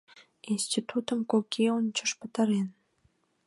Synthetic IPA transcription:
inst̪ʲit̪ut̪əmkokʰionʲt͡ɕəʃpə̆t̪ə̆ɾen

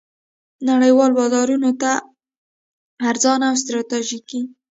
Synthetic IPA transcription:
naɽəjwɑlbɑzɑɾunot̪a | ɾzɑnaaws̬t̪ɾɑt̪ɑʒiki

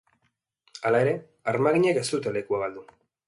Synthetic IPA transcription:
alae̞ɾe̞ | aɾmaɣiɲeke̞st̪ut̪ele̞kuaɣald̪u

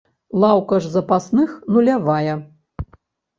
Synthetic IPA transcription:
lˠawkɐʐzɐpasnɨxnulʲavajɛ

